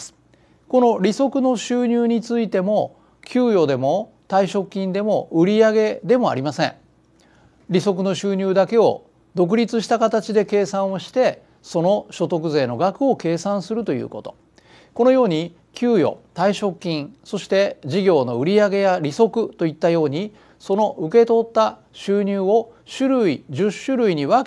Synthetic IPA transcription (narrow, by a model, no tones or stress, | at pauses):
sɨ̥ | ko̞no̞ɾʲiso̞kɯ̟no̞ɕɨːɲ̟ɨːɲ̟it͡sɨit̪e̞mo̞ | kʲɨːjo̞d̪e̞mo̞ | t̪aiɕo̞kʲːĩnd̪e̞mo̞ʔɯ̟ɾʲiaɡe̞d̪e̞mo̞a̰ɾʲimasẽ̞̰ɴ | ɾʲiso̞k̬ɯno̞ɕɨːɲ̟ɨːd̪ake̞o̞̰ | d̪o̞k̬ɯ̟ɾʲit͡sɨɕi̥t̪akat̪at͡ɕid̪e̞ke̞ːsãɰ̃o̞ɕi̥t̪e̞ | so̞no̞ɕo̞t̪o̞k̬ɯ̟ze̞ːno̞ɡakɯ̟o̞ke̞ːsãɰ̃sɨɾɯ̟t̪o̞jɯ̰ːko̞t̪o̞ | ko̞no̞jo̞ːɲ̟i | kʲʰɨːjo̞̰t̪aiɕo̞kʲːĩɰ̃so̞ɕi̥t̪e̞ʑiɡʲo̞ːno̞ɯ̟ɾʲiaɡe̞jaɾʲiso̞kɯ̟t̪o̞it̪ːajo̞ːɲ̟i | so̞no̞ʔɯ̟ke̞t̪o̞t̪ːa | ɕɨːɲ̟ɨːo̞ɕɨɾɯ̟iʑɨɕːɨɾɯ̟iɲ̟iβa